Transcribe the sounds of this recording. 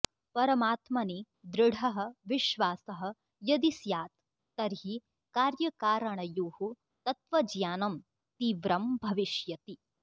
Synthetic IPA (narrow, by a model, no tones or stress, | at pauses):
pɐɾɐmaːt̪mɐni | d̪ɾɪɽ̤ʱɐɦɐ̆ʋiʃʋaːsɐɦɐ̆ | jɐd̪isjaːt̪̚ː | ɐɾɦi | kaːɾjɐkaːɾɐɳɐjuːhu | t̪ɐt̪ʋɐd͡ʒjaːnɐm | t̪iːʋɾɐmbʱɐʋiʃjɐt̪i